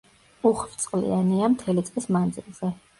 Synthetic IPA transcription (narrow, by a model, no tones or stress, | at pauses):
uχvt̪sʼqʼlḭaniamt̪ʰɛlit̪sʼqʼismand̪zḭlˠz̥ɛ